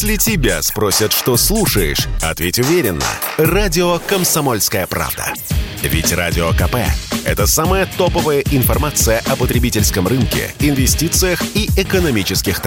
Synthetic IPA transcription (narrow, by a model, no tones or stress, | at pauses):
sʲlʲɪtʲɪbʲa̰spɾosʲət̪ʂt̪oslˠuʂəjɪ̰ʂɐ̰t̪vʲetʲʊvʲeɾʲɪnːə̰radʲɪokəmsɐmolʲskəjəpɾa̰vd̪ə̰vʲɪ̰tʲra̰dʲɪokɐpɛ̰ɛ̰t̪əsaməjət̪opəvəjəʔɪnfɐrmat̪sɨjəʔɐpət̪ɾʲɪbʲitʲɪlʲskəmrɨnkʲɪ̰ɪnvʲɪsʲtʲit̪sɨjəxiɪkənɐmʲit͡ɕɪskʲɪxt̪